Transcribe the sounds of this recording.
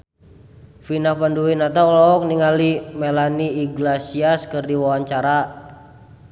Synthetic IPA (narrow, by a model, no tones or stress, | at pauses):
finahpanduwinat̪alɔɔk̚niŋalimelaniːɡlasiaskɨrdiwawaɲt͡ʃaɾa